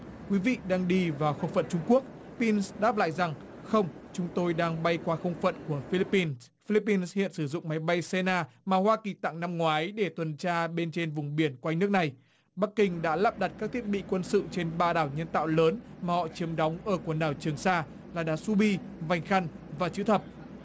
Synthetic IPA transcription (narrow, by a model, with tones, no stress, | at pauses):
kwi˨˦vḭ˧˨ɗaː˧ŋɗi˧vaː˨˩wxə˧wŋ͡mfə̰˧˨nt͡ɕʊ˧ŋ͡mku˦˥ək̚ | pi˧nsɗaː˦˥p̚la̰ː˧˨jza˨˩ŋ | xə˧wŋ͡mt͡ɕʊ˨˦ŋ͡mt̪o˧jɗaː˧ŋɓa˧jkwaː˧xə˧wŋ͡mfə̰˧˨nku˧˩əfi˧li˦˥pːi˧n | fi˧li˦˥pːi˧nshḭ˧˨ənsɨ˧˩zʊ̰˧˨ŋ͡mma˨˦jɓa˧jsɛ˧naː˧maː˨˩hwaː˧ki˨˩t̪a̰ː˧˨ŋna˧mŋwaː˨˦jɗe˧˩t̪wə˨˩nt͡ɕaː˧ɓe˧nt͡ɕe˧nvʊ˨˩ŋ͡mɓi˧˩ənkwa˧jnɨ˦˥ək̚na˨˩j | ɓa˦˥kːï˧˩ŋ̟ɗa̰ː˧˥laː˦˥p̚ɗa˨˩t̚kaː˦˥k̚t̪ʰi˦˥ət̚ɓḭ˧˨kwə˧nsɨ̰˧˨t͡ɕe˧nɓaː˧ɗaː˧˩wɲə˧nt̪a̰ː˧˨wləː˨˦nmaː˨˩hɔ̰˧˨t͡ɕi˨˦əmɗɔ˨˦wŋ͡mʔəː˧˩ku˧˩ənɗaː˨˩wt͡ɕɨ˨˩əŋsaː˧ | laː˨˩ɗa̰ː˧˥su˧ɓi˧ | va˨˩jŋ̟xa˧jŋ̟ | vaː˨˩t͡ɕɨ̰˧˥t̪ʰə˨˩p̚